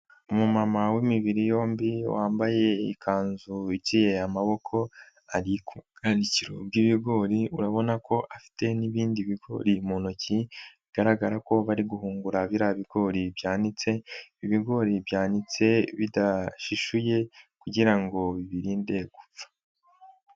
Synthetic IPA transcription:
umumamawimiβiɾijo̞ːmbiwaːmbaje̞ḭkʰaːnzuit͡ʃijeamaβo̞kʰo̞ | aɾikʰukandiciɾo̞b̚ɡiβiɡo̞ːɾiuɾaβo̞nakʰo̞ʔafi̥te̞niβiːndiβiɡo̞̰ːɾimuːnociiɡ̥aɾaɡaɾako̞βaɾiɡuhuːŋɡuɾaβiɾaβiɡ̥o̞ɾibjaːnit͡se̞iβiɡo̞ɾibjaːnit͡se̞βidaʃiʃuje̞kuɟiɾaŋɡo̞βiβiɾiːnde̞ɡ̥up͡fḁ

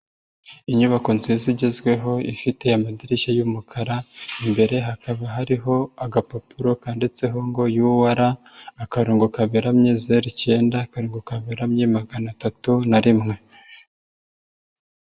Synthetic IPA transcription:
iɲuβako̞nziziɟe̞zɡwe̞ɦo̞ifite̞jamadiɾiʃajumukʰaɾaimbe̞ɾe̞ɦakaβaɦaɾiɦo̞aɡapapuɾo̞kaːndet͡se̞ɦo̞ŋɡo̞juwaɾaː | kaɾuːŋɡokaβeɾamɲezeɾice̞ːndaːkaɾuːŋɡokaβeɾamɲemaɡanatatunaɾimŋe̞

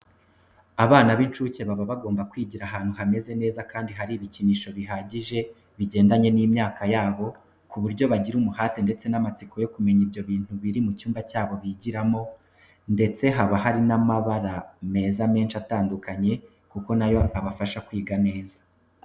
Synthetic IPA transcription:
aβaːnaβint͡ʃuːce̞βaβaβaɡo̞ːmbakwiːɟiɾaɦaːn̥huɦame̞ze̞ne̞ːzakaːndiɦaɾiːβiciniːʃo̞βiɦaːɟiʒe̞ | βiɟe̞ːndaɲe̞niːmɲaːkajaːβo̞ | kuβuɾɟo̞βaɟiɾumuhaːte̞nde̞t͡se̞namat͡siko̞jo̞kume̞ɲibjo̞βiːn̥huβiɾimucuːmbacaːβo̞βiɟiɾamo̞ | nde̞t͡se̞ɦaβaɦaɾinamaβaɾame̞ːzame̞ːnʃataːndukaɲe̞ | kuko̞najo̞aβafaʃakwiːɡane̞ːzḁ

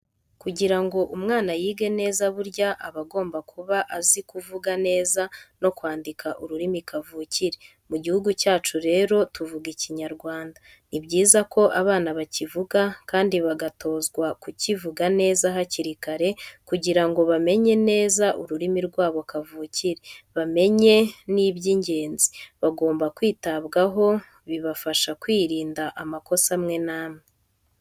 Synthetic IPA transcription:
kuɟiɾaŋɡo̞ʔumŋaːnajiːɡe̞ne̞ːzaβuɾɟaʔaβaɡo̞ːmbakʰuβaʔazikuvuɡane̞ːzano̞kwaːndikʰaʔuɾuɾimikavuciɾe | muɟihuɡucaːt͡ʃuɾe̞ːɾo̞tuvuɡiciɲaɾɡwaːnda | nibɟiːzakʰo̞ʔaβaːnaβacivuɡakaːndiβaɡato̞ːzɡwakucivuɡane̞ːzaɦaciɾikaɾe̞kuɟiɾaŋɡo̞βame̞ɲe̞ne̞ːzaʔuɾuɾimiɾɡwaːβokavuciɾeβame̞ɲe̞niːβɟiɲɟe̞ːnzi̥βaɡo̞ːmbakwiːtaβɡaɦo̞ | βiβafaʃakwiːɾiːndaʔamako̞samŋe̞naːmŋe

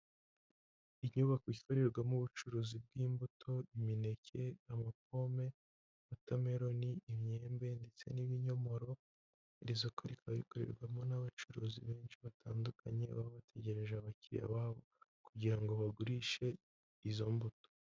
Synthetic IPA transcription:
iɲuβakwiːkoɾe̞ɾɡwamuβut͡ʃuɾuːzib̚ɡiːmbutʰo̞imine̞cʰe̞amak̚o̞me̞ | βutame̞ɾo̞niʔimɲe̞ːmbe̞nde̞t͡se̞̰niβiɲo̞mo̞ɾo̞ | ɾizokʰoɾikʰaβḭkoɾe̞̰ɾɡwamo̞naβat͡ʃuɾuːzḭβe̞ːnʃiβatʰaːndukʰaɲe̞βa̰βoβatʰe̞ɟe̞ɾe̞ʒeaβaciɾḭja̰βaːβo̞ | kuɟiɾaŋɡo̞βaɡuɾiʃe̞ | izo̞mbuto̥

